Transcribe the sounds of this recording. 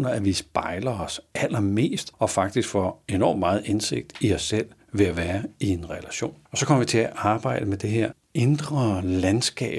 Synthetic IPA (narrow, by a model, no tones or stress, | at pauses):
nɐæʋisb̥ɑ̈ɪlɐɒsæl̰ɐme̝̰ːsd̥ɒ̽fɑ̈ɡ̥̚d̥isɡ̥fɒe̝nɒ̰ːmmɑ̈ːð̩ˠense̝ɡ̥̚d̥iɒsːel̰ | ʋe̝æʋæːɐie̝nʁɛlæɕo̝̰ːnɒ̽sɒkʰɒ̽m̰ɐʋit͡sʰe̝æʔɑ̈ːb̥ɑ̈ɪ̰d̥əmed̥e̝ɦeɐ̰ | end̥ʁɐlænsɡ̥ɛ̰ː